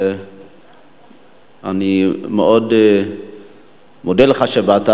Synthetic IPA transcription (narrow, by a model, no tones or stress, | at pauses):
animeʔod̪ | mod̪eleχaʃebeat̪a